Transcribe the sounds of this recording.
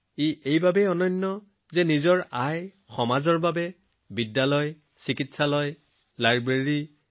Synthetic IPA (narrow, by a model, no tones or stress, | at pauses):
iejbabɛɔnɔnːɔ | zɛnizɔɹaj | xɔmazɔɹbabɛ | bidːalɔj | sikitsalɔj | laɹbɹeɹi